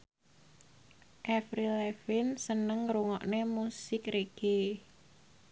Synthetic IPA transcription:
ʔɛfɾilɛfɪnsənəŋɾuŋɔʔnemusɪkɾeɡ̥e

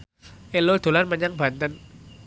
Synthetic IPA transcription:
ʔelod̪̥o̤lanməɲaŋb̥a̤nt̪ən

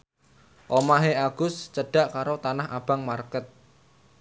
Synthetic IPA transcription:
ʔomaɦeaɡ̥ʊ̤st͡ʃəɖ̥a̤ʔkaɾot̪anaha̰b̥a̤ŋmarkət̪̚

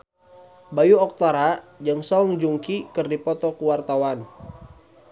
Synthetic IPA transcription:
bajuɔk̚t̪aɾad͡ʒaŋsɔŋd͡ʒuŋkikɨrdipɔt̪ɔkuwart̪awan

